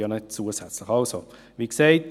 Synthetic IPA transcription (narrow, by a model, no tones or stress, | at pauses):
ɑnɛt̚t͡suəsɛt͡sləχɑlso | ʋiːkseɪt